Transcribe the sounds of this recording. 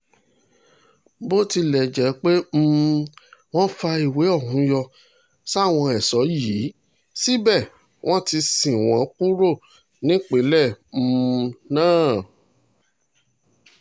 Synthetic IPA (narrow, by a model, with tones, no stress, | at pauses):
bo˦ti˧lɛ˨d͡ʒɛ˨˦k͡pe˦m̩˦ | w̃ɔ̃˦fa˧i˨we˨˦ɔ˦˨hũ˨˦jɔ˧ | sa˦˨w̃ɔ̃˧ɛ˨sɔ˨˦jiː˨˦ | si˦bɛ˦˨ | w̃ɔ̃˦ti˧sĩ˨w̃ɔ̃˨˦k͡pu˦ɾo˦˨ | nĩ˨˦k͡pe˨˦lɛ˦˨m̩˧nãː˦˨